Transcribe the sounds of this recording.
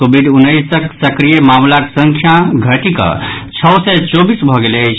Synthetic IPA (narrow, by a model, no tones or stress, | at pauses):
obʱiɖunːəjsəksəkɾijemamlakesəŋkʰjaɡʱəʈikə̰t͡ʃʰɔwsɛt͡ʃobisbʱɔɡeleəjt͡ʃʰ